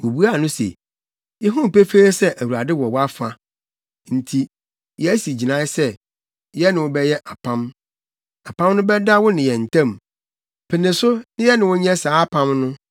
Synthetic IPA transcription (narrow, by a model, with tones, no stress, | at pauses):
wo˨bu˦a˦˨nʊ̃˦sḛ˨ | jɛ˦ɦũ˦m˨pe˦fe˦e˦sɛ˦ʔæ˨wu˨ɾa˨dɪ˦wɔ˨wɔ˦a˦fa˦ | n̩˨tʰi˨ | jɛ˨æ˦si˨d͡ʑi˨nã˨˦sɛ˦ | jɛ˦nɪ̃˨wʊ˦bɛ˦jɛ˦ʔa˨pʰã˦m | a˨pʰã˦mnʊ̃˦bɛ˦da˦wʊ˦nɪ̃˨jɛ˨n̩˨tʰã˦˨m | pʰɪ˨nɪ̃˨sʊ˦nɪ̃˦jɛ˦nɪ̃˨wʊ˦ɲɛ̃˦saː˨˦pʰã˦mnʊ̃˦